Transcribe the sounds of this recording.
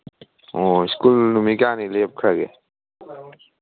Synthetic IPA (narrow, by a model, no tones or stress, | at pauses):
oɪskulnumikaːnileːp̚kʰəɡḛ